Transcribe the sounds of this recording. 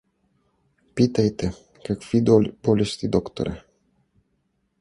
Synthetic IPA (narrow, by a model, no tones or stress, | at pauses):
pit̪ejt̪e | kəkfid̪olbolist̪id̪okt̪o̰ɾḛ